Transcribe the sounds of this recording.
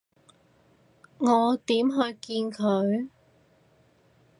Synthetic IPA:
ŋɔː˨˧t̪iː˨˥mɦɵ˧ɥkiː˧nkʰɵ˨˧ɥ

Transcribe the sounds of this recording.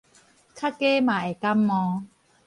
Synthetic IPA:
kʰa˦ke˦mã˨e˨˩ka˦mːɔ̃˧

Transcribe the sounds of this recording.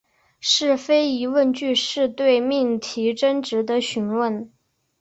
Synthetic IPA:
ʂɻ̩˥˩fe˥ɪi˧˥wə˥˧nt͡ɕy˥˧ʂɻ̩˥˧t̪we˥˧ɪmi˥˩ŋt̪ʰi˧˥ʈ͡ʂə˥nʈ͡ʂɻ̩˧˥d̪ə˧ɕy˧˥nwə˥˩n

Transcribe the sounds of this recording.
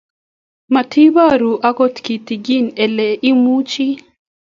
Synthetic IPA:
ma˨t̪ʰi˦ba˦ɾu˨ʔa˦ɡɔ˦t̪ki˨t̪i˨ɡi˦nɛ˨lɛ˨ʔi˦mu˦t͡ʃi˦

